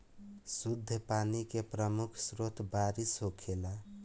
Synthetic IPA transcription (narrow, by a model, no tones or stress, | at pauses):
sud̪ʱːəpanikepɾəmukʰsɾot̪baɾisɦokʰela